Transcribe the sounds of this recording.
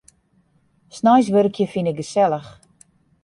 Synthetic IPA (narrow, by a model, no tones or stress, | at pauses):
snajs̬ʋørkʰjəfinɪk̚ɡəsɛləx